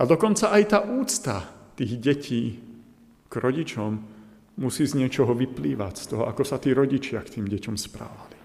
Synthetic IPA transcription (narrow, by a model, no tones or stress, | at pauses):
ad̪ɔkɔnt͡saʔajt̪aːʔuːt͡st̪at̪iːɣɟɛcʰiː | ɡ̥ɾʔɔɟit͡ʃɔmː | usiːzɲɪɛt͡ʃɔɦɔʋipliːʋa̰cst̪ɔɦɔʔakɔsat̪iːɾɔɟit͡ʃɪakt̪iːmɟɛcɔmspɾa̰ːʋali